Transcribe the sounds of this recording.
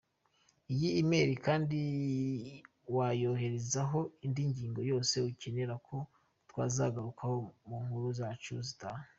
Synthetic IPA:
ijiːme̞ɾikaːndi | wajo̞ɦe̞ɾezaɦo̞indiɲɟiːŋɡo̞jo̞ːse̞uce̞ne̞ɾakʰo̞ | twa̰ːzaɡaɾukʰaho̞muŋhuɾuzat͡ʃuzita

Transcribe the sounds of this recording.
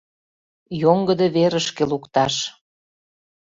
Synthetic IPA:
joŋɡəd̪eβeɾəʃkelukt̪ɑʃ

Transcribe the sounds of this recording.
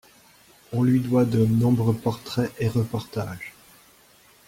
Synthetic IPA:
ɔ̃lɥid̪wad̪ənɔ̃bʁəpɔʁt̪χɛʔeʁəpɔʁt̪aːʒ

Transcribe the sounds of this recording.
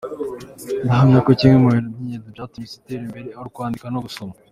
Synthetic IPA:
ndaɦaŋɡakociːmŋemuwenoniɲedibjaːtumit͡seteɾimbe̞ɾeaɾukuaːndikanoɡusoma

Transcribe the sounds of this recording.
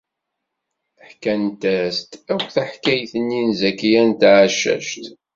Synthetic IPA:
əħkænt̪æst̪ækʷθæħkæjθənːinzækːijænt̪ʕaʃːæ̰ʃt̪

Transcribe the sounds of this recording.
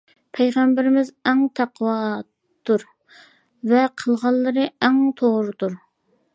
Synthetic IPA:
pʰɛjʁɛmbɪɾɪmɪzɛŋt̪ʰæqwɑ | t̪uɾ | vɛqʰəlˠʁɑlˠːɨɾɨɛŋt̪ʰoʁɾɨt̪uɾ

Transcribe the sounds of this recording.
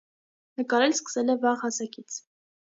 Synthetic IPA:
nəkɑɾɛlskə̥sɛlɛvɑʁhɑsɑkit͡sʰ

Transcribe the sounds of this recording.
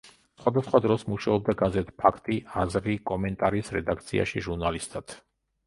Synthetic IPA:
sχwad̪asχwad̪ɾɔsmuʃaɔb̚d̪aɡazɛt̪ʰpʰakʰt̪ʼiazɾikʼɔmɛnt̪ʼaɾisɾɛd̪ak̚ʰt̪sʰḭa̰ʃiʒuɾnalist̪ʼad̪̥

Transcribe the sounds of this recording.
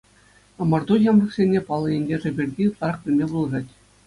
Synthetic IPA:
ɑmɑrd̪ujɑmrɤ̆χsʲenʲːepɑlˠːɤ̆enʲɡʲeʐɘ̆bʲirʲdʲiut̪lˠɑɾɑχpʲɘ̆lʲmʲebulˠɤʐɑtʲ

